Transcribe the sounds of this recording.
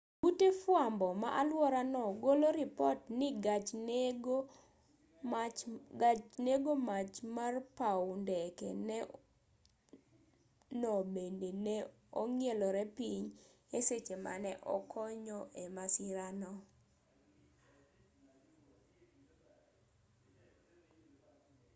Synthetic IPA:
ɡutefwambɔma̰ʔalwɔɾanɔɡoloɾipɔtnɪɡ | t͡ʃneɡomat͡ʃmarpawndɛkɛ̰nɛ | nɔbendenɛ | oŋjelɔɾɛpiɲeset͡ʃema̰nɛʔɔ̰kʰɔɲɔʔemasɪɾanɔ

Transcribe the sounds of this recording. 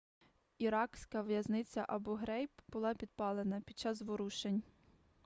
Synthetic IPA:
iɾɑksʲkɐʋjɐznɪt͡sʲɐʔɐbɔɦɾɛjpbʊlˠɑpʲid̪̚pɑlˠenɐpʲid̪̚t͡ʃɑzʋʊɾuʃenʲ

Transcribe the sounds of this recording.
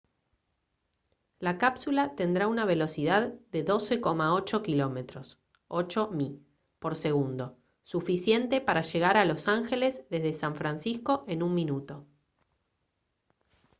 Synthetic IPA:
lakapsulat̪e̞nd̪ɾaunaβ̞e̞lo̞siðaðd̪e̞ðo̞se̞ko̞maot͡ʃo̞kilo̞me̞t̪ɾo̞s | o̞t͡ʃo̞mi | po̞ɾse̞ɣ̞und̪o̞ | sufisje̞nt̪e̞paɾaʒe̞ɣaɾalo̞saŋxe̞lezðe̞zðesaɱfɾansisko̞ʔe̞nunmĩnut̪o̞

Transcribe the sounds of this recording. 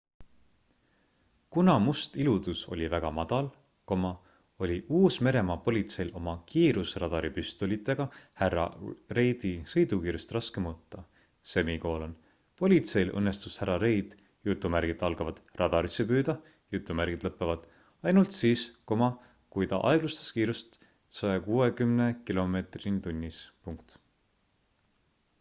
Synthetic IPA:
kunɑmust̪ilud̪̥uso̞̰lʲivæɡ̥ɑmɑd̪̥ɑl | komɑ | o̞lʲiʔuːsme̞ɾe̞mɑpo̞lʲit̪se̞jlo̞mɑkiːɾusrɑd̪̥ɑɾipyst̪olit̪ːˑe̞ɡ̥ɑhærɑ̰re̞jd̪̥isɤ̞jd̪ukiːɾjust̪rɑske̞mot̪ːˑɑ | se̞miko̞ːlon | po̞lʲit̪se̞jlʔɤ̰nːe̞st̪ushæɾɑɾe̞jd̪̥ | jut̪ːˑumæɾɡ̥it̪ɑlɡɑvɑd̪̥rɑd̪̥ɑɾisːe̞pyːd̪̥ɑ | jut̪ˑːumæɾɡid̪̥lɤpːˑevɑd̪̥ | ɑjnult̪siːskomɑ | kujt̪ɑ̰ʔɑ̰eɡ̥lust̪e̥skiːɾust̪ | sɑjɑkuːekymnekilo̞me̞ːt̪rint̪unʲːispuŋkt̪

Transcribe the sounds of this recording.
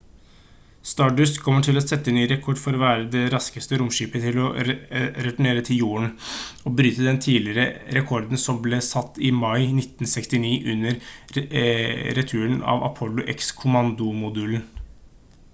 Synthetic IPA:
st̪ɑɖʉskʰɔmːəʈʰɪlɔsɛt̪ːənyːɾɛkʰɔɖfɔɾɔʋæːɾəd̪ɛɾɑskəst̪əɾʊmʂiːpət̪ʰɪlɔ | ɾɛt̪ʊɳeːɾət̪ʰɪljuːəɳɔbɾyːt̪əd̪ɛnt̪ʰiːlɪɾəɾɛkʰɔɾd̪n̩sɔmblesɑt̪ːɪmɑɪnɪt̪n̩sɛkst̪ɪniːʔʉnːəɾ | ɾɛt̪ʰʉːənɑ̰ʋɑ̰pʰɔlːʊʔɛ̰kskʰʊmɑnd̪ʊmʊd̪ʉːln̩

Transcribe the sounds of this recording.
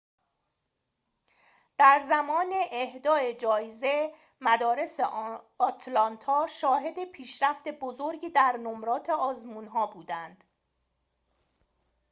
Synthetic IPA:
d̪̥æɾzæmɒːneʔːhd̪ɒːe̞d͡ʒɒːjze̞ | mæd̪ɒːɾe̞seʔː | t̪ʰlɒnt̪ʰɒːʃɒːɦe̞d̪e̞pʰiːʃɾæft̪e̞bozo̞ɾɟiːd̪æɾnomɾɒːt̪ʰe̞ɒːzmuːnɦɒːbuːd̪ænd̪̥

